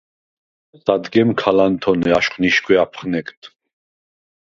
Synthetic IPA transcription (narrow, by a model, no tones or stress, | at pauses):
sad̪ɡɛmkʰalant̪ʰɔnɛaʃχniʃkʰʼwɛapʰχnɛkt̪ʰ